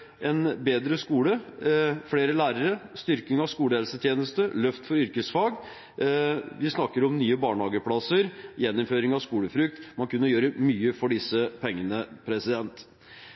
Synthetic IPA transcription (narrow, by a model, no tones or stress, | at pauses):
ɛnbeːd̪ɾəskuːlə | fɽeːɾəlæːɾəɾəst̪ʏɾkɪŋɑʋskuːləɛlsət̪ʰjeːnəst̪əlœft̪fɔɾʏɾkəsfɑːɡ | ʋɪsnɑkːəɾɔmnyːəbɑːɳhɑːɡəpʰɽɑsəɾjɛnːɔmføːɾɪŋɑʋskuːləfɾʉk̚t̪mɑnkʰʉnːəjøːɾəmyːəfɔɖɪsəpʰɛŋːənəpʰɾɛsɪd̪ɛnt̪